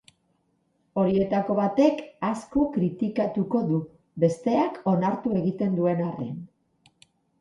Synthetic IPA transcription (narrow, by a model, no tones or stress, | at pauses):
o̞ɾie̞t̪ako̞βat̪e̞kasko̞kɾit̪ikat̪uko̞ðu | be̞st̪e̞ako̞naɾt̪ue̞ɣit̪e̞nd̪ue̞nare̞̰n